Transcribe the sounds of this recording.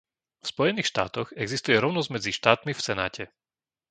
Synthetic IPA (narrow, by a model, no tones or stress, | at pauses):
fspɔjɛniːxʃt̪a̰ːt̪ɔɣɛɡzist̪ujɛɾɔʊnɔzɟmɛd͡ziʃt̪aːt̪mifsɛna̰ːcʰɛ